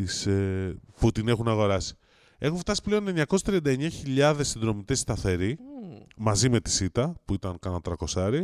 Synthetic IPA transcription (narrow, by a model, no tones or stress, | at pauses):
isefut̪ine̞xunɐɣo̞ɾɐsi̥ | e̞xuɱft̪ɐsi̥ple̞o̞ne̞ɲɲɐkosst̪ɾiɐnd̪ɐe̞ɲɐçiʎɐðe̞sːinðɾo̞mit̪e̞st̪ɐθe̞ɾimɐzime̞t̪i̥sit̪ɐpuit̪ɐnkɐnɐt̪ɾɐko̞sɐɾi